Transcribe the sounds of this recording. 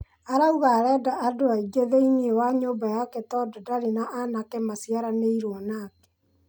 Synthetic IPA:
aɾauɣaɾɛːdaʔːdoaiɡeðeiniewaɲoːmbajakɛtɔdɔdaɾinaʔanakemasiaɾaneiɾwɔnaːkɛ̥

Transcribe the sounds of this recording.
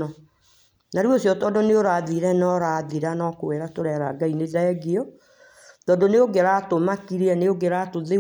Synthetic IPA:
ɔ | naɾwosjɔtɔːndoneoɾaðiɾɛnɔɾaːðiɾanɔkoweɾatoɾɛɾaɡaineðaɛɡiɔ | tɔːndoneoɡeɾatomakiɾeɛneoɡeɾatoðe

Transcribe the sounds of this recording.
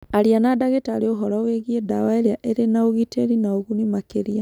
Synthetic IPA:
aɾianadaɣetaɾeoɦɔɾaweɣiedawaeɾeaʔeɾenaoɣiteɾinaoɣunimakeɾia

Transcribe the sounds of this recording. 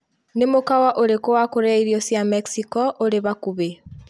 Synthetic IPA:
nemokawaʔoɾekowakoɾɛiɾiɔsjameksikɔʔoɾeβakuβe

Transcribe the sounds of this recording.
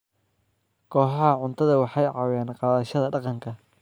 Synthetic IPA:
kʰɔːħɑhɐʕʊnt̪ʰɐðɐwɑħɑjʕɑwaːnqɑːðɐʃɐðɐɖɑqɑŋkʰɐ

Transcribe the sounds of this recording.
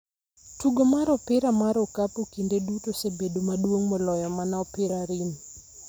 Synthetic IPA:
tuɡomaɾɔpɪɾamaɾɔkapokindedutosebedomadwoŋmɔlɔjɔmanaɔpɪɾaɾin

